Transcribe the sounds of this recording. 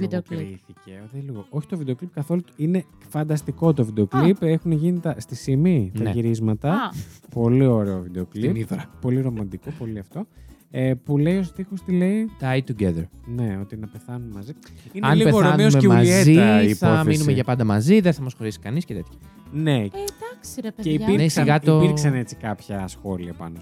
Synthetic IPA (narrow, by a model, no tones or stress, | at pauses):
vid̪iiθiceoðeliɣoʔoçi̥t̪o̞vid̪e̞o̞klip̚kɐθo̞luine̞ | fɐnd̪ɐst̪iko̞t̪o̞vid̪eo̞klipe̞xuneʝinit̪ɐst̪isiminɐʝiɾizmɐt̪ɐpo̞lio̞ɾe̞o̞vid̪e̞o̞klipniðoɾɐpːo̞liɾo̞mɐnd̪iko̞po̞liɐft̪o̞ | epule̞io̞sθixost̪ile̞it̪ajt̪uɡeðeɾne̞o̞t̪inɐpe̞θɐnumemɐziinɐeɐnipeɣoθoɐnmeousmemuɐizeiiθɐmminumeʝɐpɐnd̪ɐmɐziðeθɐmɐsxo̞ɾisi̥kɐniscet̪e̞t̪çɐ̥ | ne̞d̪ksceipiɾnesiɣɐt̪oiɾsɐne̞t͡si̥kɐpçɐsxo̞liɐpɐ̰no